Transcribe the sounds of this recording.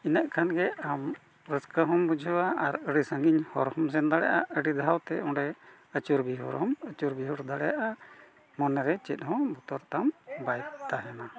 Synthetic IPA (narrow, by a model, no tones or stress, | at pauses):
inəʔkʰanɡɛam | ɾəskəɦɔmbud͡ʒʱuwaaɾəɽisəŋɡiɲhɔ̰ɾhɔms̬ɛnd̪aɽɛja̰ʔaəɽid̪ʱaɦawt̪ɛɔ̃ɖɛ | ət͡ʃuɾbiɦṵɾɦɔmət͡ʃuɾbiɦuɾd̪aɽɛjaʔa | mɔnɛɾɛt͡ʃɛt̪̚ˀhɔ̃but̪ɔɾt̪ambajt̪t̪aɦɛna